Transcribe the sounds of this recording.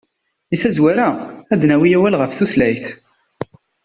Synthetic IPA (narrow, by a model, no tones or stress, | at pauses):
iθæzwæɾaæd̪næwijæwælʁəfθuθlæjθ